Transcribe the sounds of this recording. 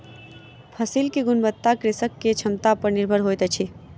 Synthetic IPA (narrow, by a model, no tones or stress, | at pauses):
pʰəsilkeɡʊnbət̪ːakɾɪsəkːet͡ʃʰɐmt̪apəɾnɪɾbʱəɾɦoːjt̪ət͡ʃʰi